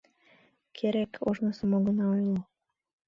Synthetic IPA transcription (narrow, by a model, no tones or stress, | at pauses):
kʰeɾekʰoʒnŏsomoɣə̆nɑojlo